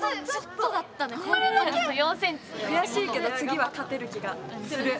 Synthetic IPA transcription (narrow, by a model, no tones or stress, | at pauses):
at͡ɕot̪ːod̪at̪ːankoɾeaojõːsẽɲt͡ɕi̥kɯ̟jaɕiːke̞d̪o̞t͡sɨɡʲiβakat̪e̞ɾɯ̟kʲiɡasɨɾɯ̟